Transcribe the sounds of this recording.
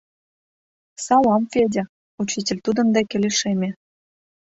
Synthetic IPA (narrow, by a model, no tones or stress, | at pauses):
sɑlɑmvedʲe | ut͡ɕitʲĕlʲt̪ud̪ə̆nd̪ækʲeleʃemʲĕ